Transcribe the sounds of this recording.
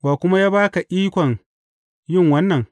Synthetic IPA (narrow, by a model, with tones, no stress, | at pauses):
baː˨kʷʊ˦ma˦jaː˦baː˦ka˨ʔʲiː˦kʷɔ˨ŋ | jɪ˦˨ŋwɐ˦nːɐ˨ŋ